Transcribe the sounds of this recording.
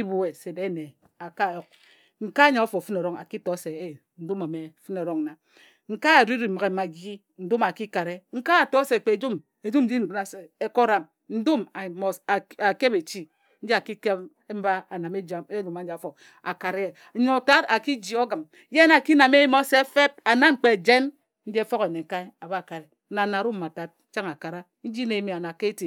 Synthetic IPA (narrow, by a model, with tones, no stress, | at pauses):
i˦bu˦e˨se˨be˦ne˨ | a˨ka˦˨jo˨k̚ | ŋ̩˨ka˦ɲa˨o˦fo˨fɨ˦ne˨ɾo˦ŋa̰˨ki˦to˨˦se˨˦˨ | n̩˦du˦ma˨me˨fɨ˦no˨ɾo˦ŋ˨na˨ | ŋ̩˨ka˦a˨di˦ɾi˨ma˨ɣe˨ma˨ɡi˦ | n̩˨˦du˦ma˨ki˦ka˨ɾe˦ŋ̩˦ka˦a˨to˦se˨k͡pe˨d͡ʒu˦m | e˨d͡ʒu˦m̩˦d͡ʒi˦n̩˨˦na˨se˦ko˦ɾa˨m | n̩˦du˦ma˨mo˦sa˨a˨ke˦be˨t͡ʃi˦ | n̩˦d͡ʒi˦a˨ki˦ke˦ | m̩˦ba˦a˨na˨me˦d͡ʒa˦me˦lu˨ma˨n̩˦˨fo˨k | a̰˨ka˨ɾe˦˨˦ɲo˨ta˦ta˨ki˦d͡ʒi˨o˦ɡɨ˨m | je˦na˨ki˦na˨me˦ji˦mo˦se˦fe˦p̚a˨na˦ŋ͡m̩˨k͡pe˨d͡ʒe˦n | n̩˦d͡ʒi˦e˦fo˦ɣe˨ne˨ka˦i˦a˨ba˦˨ka˨ɾe˨˦na˨na˨ɾu˦mː˨a˨ta˨˦t̚t͡ʃa˦ŋa˨ka˨ɾa˦ | n̩˦d͡ʒi˦ne˨˦mi˨a˨na˨ke˦ti˨